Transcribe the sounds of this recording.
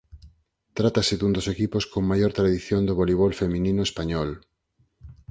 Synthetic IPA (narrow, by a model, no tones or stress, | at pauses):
t̪ɾat̪asɪðund̪osekiposkoŋmajoɾt̪ɾaðiθjond̪oβoliβ̞olfemĩnĩnoespaɲɔl